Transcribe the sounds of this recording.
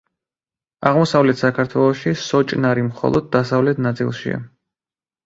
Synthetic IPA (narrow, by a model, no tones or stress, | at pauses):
aʁmɔsavlɛt̪ʰsakʰaɾt̪ʰwɛlˠɔʃisɔt͡ʃʼnaɾimχɔ̰lˠɔd̪̚ːasavlɛt̪ʰnat̪sʼḭlˠʃḭa̰